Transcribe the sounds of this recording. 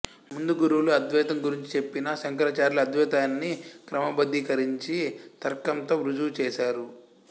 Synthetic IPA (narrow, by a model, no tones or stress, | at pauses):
mund̪uɡuɾuʋuluɐd̪ʱʋɛːt̪ɐmɡuɾiɲt͡ʃi̥t͡ʃe̞pːinɐsɐŋkɐɾɐːt͡ʃaːɾlɐɐd̪ʱʋɛːt̪aːnːikɾɐmɐbɐd̪ːikɐɾiɲt͡ʃit̪ɐɾkɐmt̪oːʋɾud͡ʒut͡ʃɛːʃaːɾu